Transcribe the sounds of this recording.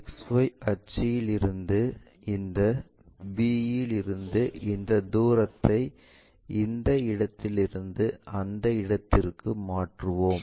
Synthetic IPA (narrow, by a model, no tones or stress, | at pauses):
sʋɐɪɐt͡ʃːɪjɪlɪɾɯnd̪ɯ | ɪnd̪ɐ | biːjɪlɪɾɯnd̪ɯɪnd̪ɐd̪uːɾɐt̪ːɐɪ | ɪnd̪ɐɪɽɐt̪ːɪlɪɾɯnd̪ɯʔɐnd̪ɐɪɽɐt̪ːɪrkɯmaːʈrɯʋoːm